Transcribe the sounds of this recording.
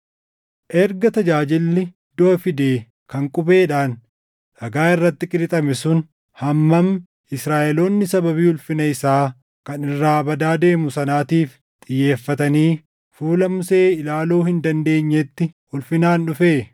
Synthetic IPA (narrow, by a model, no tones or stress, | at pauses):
ʔɛɾɡɐt̪ɐd͡ʒaːd͡ʒɪlːɪ | d̪̥o̞ːfɪd̪eː | kɐŋkʼʊbe̞ːᶑaːn | ʔɐɡaːɪrːɐt̪ːɪkʼɪlɪt̪ʼɐmɛsʊn | hɐmːɐm | ɪsɾaːʔɛloːnːɪsɐbɐβiːʊlfɪnɐɪsaː | kɐnɪrːaːbɐd̪aːd̪e̞ːmʊsɐnaːt̪iːf | t̪ʼɪjːe̞ːfːɐt̪ɐniː | fuːlɐmʊse̞ːɪlaːloːhɪnd̪ɐnd̪e̞ːɲːet̪ːɪ | ʊlfɪnaːnᶑʊfeː